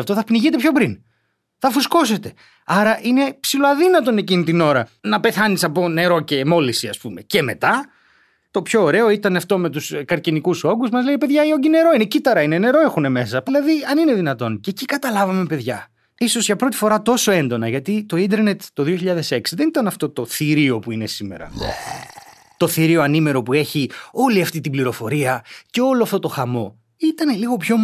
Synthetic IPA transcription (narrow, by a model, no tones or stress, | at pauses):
ft̪oθɐpniʝit̪epço̞bɾin | θɐfusko̞se̞t̪e̞ | ɐɾɐʔine̞psiloɐðinɐt̪o̞necinit̪ino̞ɾɐnɐpe̞θɐnisɐpo̞ne̞ɾo̞ce̞mo̞lisiɐspume̞ce̞me̞t̪ɐ | t̪o̞pço̞ːɾe̞o̞it̪ɐnɐft̪o̞me̞t̪uskɐɾcinikuso̞ɡuzmɐzleipeðʝɐio̞ɲɟine̞ɾo̞ine̞cit̪ɐɾɐine̞ne̞ɾo̞e̞xune̞me̞sɐpilɐðiɐnine̞ðinɐt̪o̞ncecikɐt̪ɐlɐvɐme̞pe̞ðʝɐ | iso̞zʝɐpɾo̞t̪i̥fo̞ɾɐt̪o̞so̞e̞nd̪o̞nɐʝɐt̪it̪o̞ind̪e̞ɾne̞t̪t̪o̞ðioçiʎɐðe̞seksiðe̞nit̪ɐnɐft̪o̞t̪o̞θiɾio̞puine̞sime̞̰ɾɐ̰ | t̪o̞θiɾio̞ɐnime̞ɾo̞pue̞çio̞liɐft̪it̪ibliɾo̞fo̞ɾiɐceo̞loɐft̪ot̪o̞xɐmo̞ | it̪ɐneliɣo̞pço̞